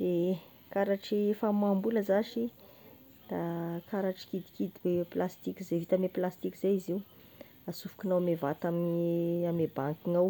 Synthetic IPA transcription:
d̪e | kaɾaʈ͡ʂifamambuləzaʃi | d̪̥akaɾaʈ͡ʂi̥kid̪i̥kid̪iweplast̪ikizevit̪ameplast̪ikiz̥ajiziw | asufu̥kinawamevat̪aminamebaŋkiŋaw

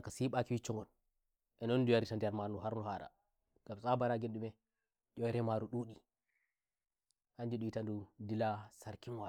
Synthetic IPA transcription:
kasiɓakiwit͡ʃːɔŋɡɔn | ʔɛnɔndujaɾitandijaɾmanuɦaɾnɔhaɾa̰ | ɡ̥amsabaɾaɡenɗumɛ | ɟɔɛɾɛmaɾuɗuɗi | haɲd͡ʒiɗuitandudilasaɾkinwa

